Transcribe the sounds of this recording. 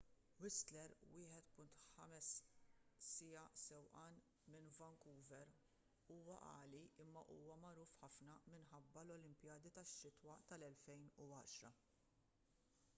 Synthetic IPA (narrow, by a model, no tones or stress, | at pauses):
wɪst̪lɛɾwɪːħɛt̪pʊnt̪ħɐmɛsː | ɪjɐsɛwʔɐːn | mɪnvɐŋkuːvɛɾ | uːwɐ̰ʔɐ̰ːliʔɪmːɐʔuːwɐmɐɾuːfħɐfnɐmɪnħɐbːɐlɔlɪmpjɐːd̪it̪ɐʃːɪt̪wɐt̪ɐlɛlfɛjnuɐ̰ːʃɾɐ